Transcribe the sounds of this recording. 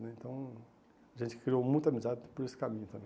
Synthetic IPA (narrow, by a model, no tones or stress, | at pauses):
nɛẽnt̪ɐ̃w̃ | ɐʒẽnt̪ɪ̥kɾiowmũj̃t̪ɐmizaðɪpɔɾesɪ̥kamĩɲʊt̪ɐ̃mẽ